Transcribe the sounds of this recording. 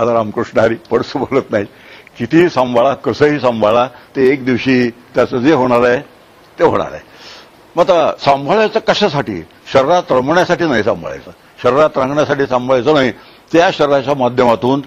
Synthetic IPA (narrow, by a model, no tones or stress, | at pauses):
at̪aɾamkɾuʂɳaɾipəɽsbʱolət̪naɦi | kit̪isə̃mbʱaɭakəsəɦiːsə̃mbʱaɭat̪eːkd̪iʋɕiːt̪jat͡səd͡zeɦoɽ̃aɾaj | t̪eɦo̰ɽ̃a̰ɾa̰e | mat̪asãmbʱaɭat͡sakəɕasaʈḭː | ɕəɾɾat̪ɾəmɳjasaʈiːnaisã̰mbʱa̰ɭa̰jt͡sə | ɕəɾɾat̪ɾãŋɡɳjasaʈiːsãmbʱəɭajt͡sənaɦi | t̪jaɕəɾɾat͡ɕjamad̪ʱjəmat̪uːn